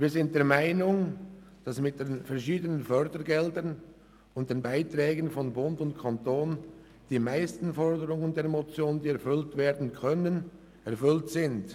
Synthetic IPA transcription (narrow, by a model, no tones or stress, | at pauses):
viːɐzɪnt̚d̥eːɐmaɪnʊŋ | d̥asmɪt̚d̥eːnfɛɐʃiːdənənfœʁdəɡɛldən | ʊnt̚d̥eːnbaɪtʁɛːɡənfɔnbʊndʊntkʰantʰoːn | d̥iːmaɪstn̩fɔʁdəʁʊŋəndeːɐmot͡sjoːnəndiːɛɐfʏltv̥eːɐdn̩kʰœnən | ʔɛɐfʏltsɪnt